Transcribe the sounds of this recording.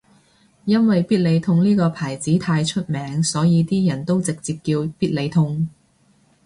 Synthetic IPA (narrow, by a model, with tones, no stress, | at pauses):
jɐ˥nwɐ˨jpiː˥t̚le˨˧jt̪ʰʊ˧ŋniː˥kɔː˧pʰaː˨˩jt͡siː˨˥t̪ʰaː˧jt͡ʃʰɵ˥t̚mɛː˨˥ŋsɔː˨˥jiː˨˧t̪iː˥jɐ˨˩nt̪o˥wt͡sɪ˨k̚t͡siː˧p̚kiː˧wpiː˥t̚le˨˧jt̪ʰʊ˧ŋ